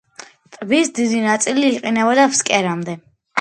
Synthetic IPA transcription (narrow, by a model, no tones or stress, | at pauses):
t̪ʼbisd̪id̪inat̪sʼiliːqʼinɛbɔd̪afskʼɛɾamd̪ɛ